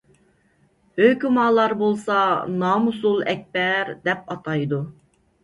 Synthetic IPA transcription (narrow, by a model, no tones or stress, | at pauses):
økʲymɑːlˠɑɾbolˠsɑnɑːmusulˠɛk̚ʲbɛɾd̪ɛp̚ɑt̪ʰɑjd̪u